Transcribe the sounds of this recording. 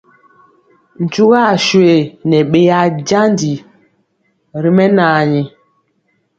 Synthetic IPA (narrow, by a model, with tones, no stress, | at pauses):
n̩˨t͡ʃu˦ɣa˦˨ʃwe˨nɛ˨ɓe˦ja˦d͡ʒa˦ndi˨ | ɾi˦mɛ˦naː˨ɲi˨